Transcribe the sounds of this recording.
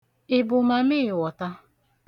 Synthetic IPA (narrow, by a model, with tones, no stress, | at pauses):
ɪ˨bʊ˨ma˨mɪ˦ɪ˨wɔ˨ta˦